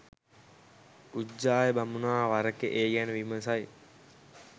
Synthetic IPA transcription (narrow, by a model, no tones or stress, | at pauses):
ud͡ʑaːjəbamunaːʋaɾəkeʔeːɡænəʋiməsaj